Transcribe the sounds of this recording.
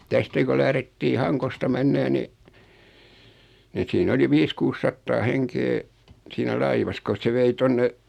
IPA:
tæstæ ko læhretːiː hɑŋkostɑ menːeː ni ni siːn oli ʋiːs kuːs sɑtːɑː heŋkeː siːnæ lɑiʋɑs kos se ʋei tonːe

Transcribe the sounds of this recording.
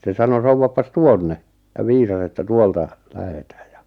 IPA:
se sɑno souwːɑpːɑs tuonːe jɑ ʋiːsɑs etːæ tuoltɑ læhetæːj jɑ

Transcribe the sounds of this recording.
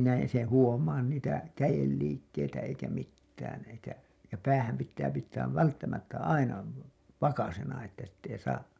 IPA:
næin se huomɑːn niːtæ kæjelːiːkːeitæ eikæ mitːæːn eikæ jɑ pæːhæm pitːæː pitːæːʋ ʋæltːæmætːæ ɑinɑ ʋɑkɑsenɑ etːæ sitː ei sɑː

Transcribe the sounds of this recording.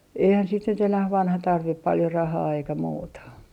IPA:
eihæn sit nyt enæh ʋɑnhɑ tɑrʋip pɑljo rɑhɑː eikæ muːtɑ

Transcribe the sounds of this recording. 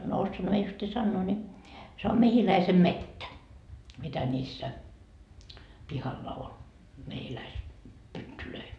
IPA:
no osːoɑnhɑ mie justiː sɑnːoː ni se om mehilæisemːetːæ mitæ nʲiːsːæ pihɑlːɑ ol mehilæis pytːyløi

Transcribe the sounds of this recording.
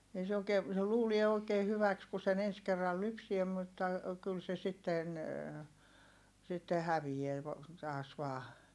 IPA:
ei se oˑi̯keː se luːlie oˑi̯keː hyʋæks ku sen ens kerːɑl lypsie mutːɑ kyl se sitːen sitːe hæʋijeæ ʋo tɑːs ʋɑː

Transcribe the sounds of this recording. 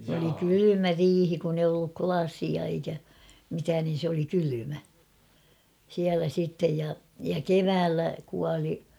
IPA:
oli kylymæ riːhi kun eij olːu klɑsiɑ eikæ mitæːn nin̞ sĕ oli kylymæ siælæ siˑtːej jɑ jɑ keʋæːlːæ kuɑli

